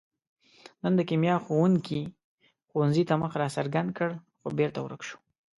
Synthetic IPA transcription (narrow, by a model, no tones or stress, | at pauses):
nənd̪əkimjɑxowuŋki | xownzit̪aməxɾɑsaɾɡand̪̚kəɽ | xobeɾt̪awɾəkʃu̥